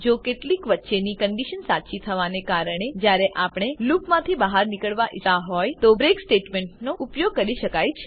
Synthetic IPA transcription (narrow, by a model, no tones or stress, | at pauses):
d͡ʒokeʈlikʋətːʃenikəɳɖiʃənsat͡ʃit̪ʰəʋanekaɾəɳ̃ed͡ʒjaɾeʔapɽ̃elupmãt̪ʰibaɦaɾnikəɭʋaʔit̪aɦɔjt̪obɾeksʈeʈmeɳʈnoupjoɡ̚kəɾiʃəkajt͡ʃʰe